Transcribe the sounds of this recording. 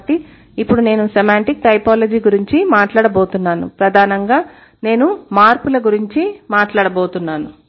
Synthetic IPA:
ʈːi | ipːuɽune̞ːnusemaːɳʈik̚ʈɐjpaːlɐd͡ʒiːɡuɾiɲt͡ʃimaːʈlaːɽɐbo̞ːt̪unːaːnṵpɾɐd̪ʱaːnɐŋɡaː | ne̞ːnumaːɾpulɐɡuɾiɲt͡ʃimaːʈlaːɽɐboːt̪unːaːnu

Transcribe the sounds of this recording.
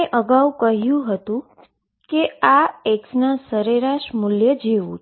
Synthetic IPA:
eʔəɡaʋukəɦjũɦət̪ũ | keaeksnasəɾeɾaʃmʊljəd͡ʒeʋṵ̃t͡ʃ

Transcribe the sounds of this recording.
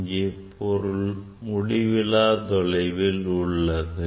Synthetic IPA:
ɡepɔɾʊl | mʊɽɪʋɪlaːd̪ɔlɐɪʋɪlʊɭːɐðɯ

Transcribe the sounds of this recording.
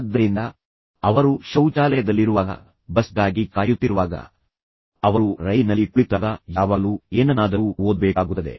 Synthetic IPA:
d̪ːɐɾind̪ɐ | ɐʋɐɾuʃɐwt͡ʃaːlɐjɐd̪ɐlːiɾuʋaːɡɐ̰ | bɐsd̪aːɡikaːjut̪ːiɾuʋaːɡɐ̰ | ɐʋɐɾuɾɐjnɐlːikulit̪ːaːɡɐjaːʋalueːnɐnaːd̪ɐuoːd̪bɛːkaːɡut̪ːɐd̪e̞̰

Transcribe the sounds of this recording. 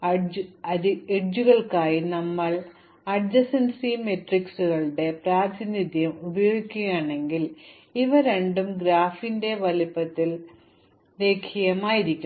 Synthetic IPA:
ɐɐieʈd͡ʑuɣɐɭkaːjinɐmːɐɭ | ɐrd͡ʑɐsɐnsimeʈriksuɣɐɭɽe̞praːd̪ʰʱinid̪jɐmubɐjoːikʲːuɣɐjaːɳe̞ŋɡil | iʋɐɾeɳɖumɡɾaːfinde̞ʋɐlipːɐt̪ːil | le̞ːkʰijɐmaːjiɾikʲːu

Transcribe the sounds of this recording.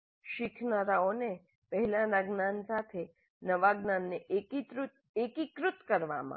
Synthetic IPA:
ʃɪkʰnaɾaone | pəɦɛlãnaɡnansat̪ʰe | nəʋaɡnanːeʔekit̪ɾ | ekikɾʊt̪kəɾʋa̰mã̰

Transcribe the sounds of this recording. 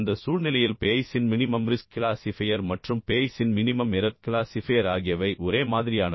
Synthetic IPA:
nd̪ɐsuːlnɪlɐjɪlpeːjsɪnmɪnɪmɐmɾɪskɪlaːsɪfɐjɐɾmɐʈrɯmpeːjsɪnmɪnɪmɐmɪɾɐt̚kɪlaːsɪfɐjɐɾaːɣɪjɐʋɐɪʔɔɾeːmaːðɪɾɪjaːnɐ

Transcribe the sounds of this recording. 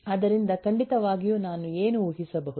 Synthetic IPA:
ɐd̪ɐɾind̪ɐkɐɳɖit̪ɐʋaːɡijuːnaːnueːnuuːɦisɐbɐɦud̪

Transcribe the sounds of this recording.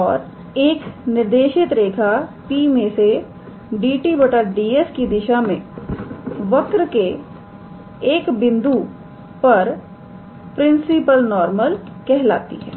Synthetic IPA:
ɔːɾ | eːknɪɾd̪eːʃɪt̪ɾeːkʰapiːmẽse | ɖiːʈibəʈəɾɖiːeskid̪ɪʃamḛ̃ | ʋɐkɾke | kbɪ̃nd̪u | pɐɾ | pɾɪ̃nsɪpəlnɔːɾməlkɛɦla̰ːt̪ḭɦɛ̰ː

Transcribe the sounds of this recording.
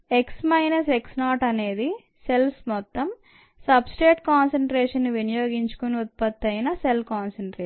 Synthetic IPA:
eksmɐjnɐseksnaːʈɐne̞ːd̪i | se̞lsmɔt̪ːɐm | sɐbsʈeːʈkaːnsɐɳʈɾeːʂɐnːiʋinɐjo̞ːɡiɲt͡ʃu̥koniut̪̚pɐt̪ːɐjnɐselkaːnsɐɳʈɾe

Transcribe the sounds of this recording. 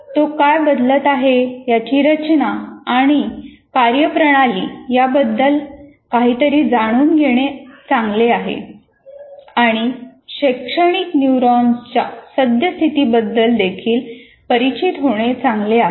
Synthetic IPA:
t̪okajbəd̪lət̪aɦejat͡ɕiːɾət͡ɕnaaɽ̃i | kaɾjəpɾəɽ̃alḭːjabəd̪ːəl | kaɦiːt̪əɾiːd͡zaɽ̃uːnɡʱeɽ̃et͡sãŋɡleaɦḛ | aɽ̃iɕekʂəɽ̃iknjuɾɔnt͡ɕasəd̪jəst̪ʰit̪iːbəd̪ːəld̪ekʰiːl | pəɾit͡ɕit̪ɦoɽ̃et͡sãŋɡlea

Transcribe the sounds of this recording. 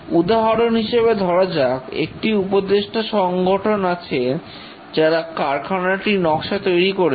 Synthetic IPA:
ud̪aɦaɾonɦiʃeβed̪ʱɔɾad͡ʑakḛk̚ʈiupod̪eʃʈʰaʃɔŋɡʱoʈʰonat͡ɕʰe | d͡ʑaɾakaɾkʰanaʈinɔkʃat̪ojɾikoɾe

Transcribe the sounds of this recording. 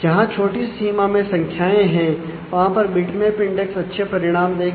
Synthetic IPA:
d͡ʒɐɦãt͡ʃʰoːʈisiːmamẽsɐ̃ŋkʰjaːẽɦɛ̃ː | ʋɐɦãpɐɾbɪʈmẽpɪ̃ɳɖɛksɐtːʃʰepɐɾɪɽ̃aːmd̪eː

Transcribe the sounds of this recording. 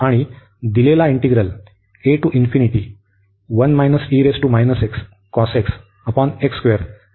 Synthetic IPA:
aɽ̃i | d̪ilelaiɳʈiɡɾəl | eʈuʔinfiniʈi | ʋənmajnəsiɾesʈumajnəseks | kɔseks | əpɔnekskʋeɾ

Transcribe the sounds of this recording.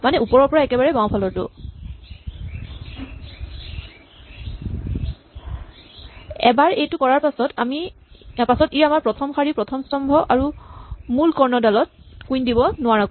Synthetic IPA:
manɛupɔɹɔɹpɔɹaɛkɛbaɹɛbãwpʰalɔɹtʊ̰ | ɛ̰baɹejtʊkɔɹaɹpasɔtʰami | pasɔtiɹamaɹpɹɔtʰɔmxaɹipɹɔtʰɔmstɔmbʱɔʔaɹumulkɔɹnɔdalɔt̚kujndibɔnʊwaɹak

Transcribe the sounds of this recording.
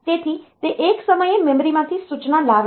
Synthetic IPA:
t̪et̪ʰit̪eʔeksəməjemɛmɾimãt̪ʰisut͡ʃnalaʋ

